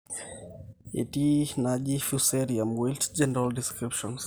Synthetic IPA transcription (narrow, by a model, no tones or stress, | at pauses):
ḭtinad͡ʒifusɛɾiãmwiltd͡ʒɛnɛɾaldiskɾipʃɔ̃ns